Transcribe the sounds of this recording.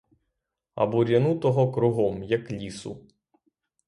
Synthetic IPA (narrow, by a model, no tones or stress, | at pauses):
ɐ̰bɔɾʲɐnut̪ɔɦɔkɾʊɦɔmjɐklʲisʊ̰